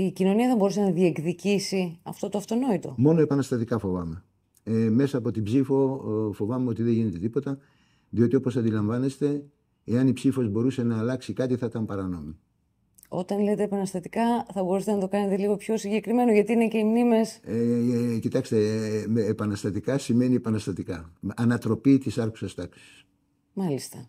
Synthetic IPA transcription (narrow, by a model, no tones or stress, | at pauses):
icino̞niɐðebo̞ɾusenɐðie̞kðicisiɐ̰ft̪o̞t̪oɐft̪o̞no̞it̪o̞̰mo̞noe̞pɐnɐst̪ɐt̪ikɐfo̞vɐme̞ | me̞sɐːpo̞t̪ibzifo̞fo̞vɐmeo̞t̪iðeʝine̞t̪e̞t̪ipo̞t̪ɐ | ðio̞t̪io̞po̞sɐnd̪ilɐɱvɐne̞st̪e̞ | eɐnipsifo̞zbo̞ɾuse̞nɐːlɐksikɐt̪iθɐt̪ɐmpɐɾɐno̞mi | o̞t̪ɐnle̞t̪e̞ːpɐnɐst̪ɐt̪ikɐθɐbo̞ɾuset̪enɐt̪o̞kɐne̞t̪eliɣo̞pço̞siɲɟe̞kɾime̞noʝɐt̪iinece̞imnime̞s | cit̪ɐkst̪e̞ː | pɐnɐst̪ɐt̪ikɐsime̞niepɐnɐst̪ɐt̪ikɐɐnɐt̪ɾo̞pit̪isɐɾxu̥sɐst̪ɐksi̥s | mɐlist̪ɐ